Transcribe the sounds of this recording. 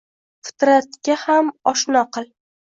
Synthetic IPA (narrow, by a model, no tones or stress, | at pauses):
fɪ̥t̪ɾat̪kʲahamɒʃnɒqʰɨlˠ